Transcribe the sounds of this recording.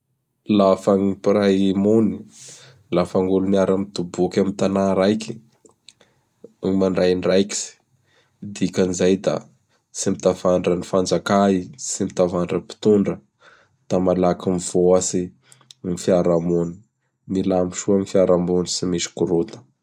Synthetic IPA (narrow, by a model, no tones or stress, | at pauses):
lafaŋipirajmuni | lafaŋɡuluniaɾamit̪ubukʲamint̪anaɾajki̥ | maɳɖ͡ʐajɳɖ͡ʐajki̥si̥ | d̪ikanizajd̪a̰ | simit̪avaɳɖ͡ʐənifand͡zakaisimit̪avaɳɖ͡ʐəpi̥t̪uɳɖ͡ʐə | d̪̥amalakimv̥oasi | nifiaɾamuni̥ | milamiʃuamifiaɾamunisimisi̥kuɾot̪ə̥